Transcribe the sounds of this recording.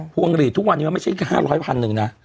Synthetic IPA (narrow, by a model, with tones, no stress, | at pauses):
pʰuː˧˩ʔə˧ŋ˧ɾiː˨˩t̪ʰːu˦˥k̚wa˧niː˦˥aː˧ma˥˩t͡ɕʰa˥˩˨haː˥˩ɾɔː˦˥jpʰa˧nːɯ˨˩ŋna˦˥ʔ